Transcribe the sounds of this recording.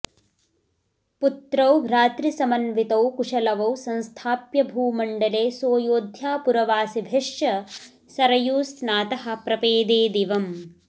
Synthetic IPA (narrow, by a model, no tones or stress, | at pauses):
put̪ɾɐwɾaːt̪ɾisɐmɐnʋit̪ɐwkuʂɐlɐʋɐwsɐ̃nst̪ʰaːpjɐbʱuːmɐɳɖɐleːsoːjoːd̪ʱjaːpuɾɐʋaːsibʱeʂjɐ | sɐɾɐjuːsnaːt̪ɐɦɐ̆pɾɐpeːd̪eːd̪iʋɐm